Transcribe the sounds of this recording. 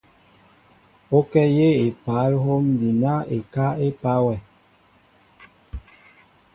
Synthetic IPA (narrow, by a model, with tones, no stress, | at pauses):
o˦kɛ˦je˦e˨pa˨˦lɦo˦mdi˨na˦e˨ka˦e˦pa˦wɛ˨